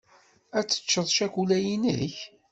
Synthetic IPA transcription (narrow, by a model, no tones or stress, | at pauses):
æt͡sːə̥t͡ʃːəðˤʃækʷulæjinə̰ç